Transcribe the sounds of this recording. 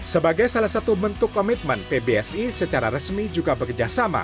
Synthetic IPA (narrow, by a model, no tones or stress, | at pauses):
səbaɡajsalahsat̪ubənt̪ʊkːɔmit̪̚mənpebeɛsisət͡ʃaɾaɾəsmid͡ʒuɡabəkərd͡ʒasama̰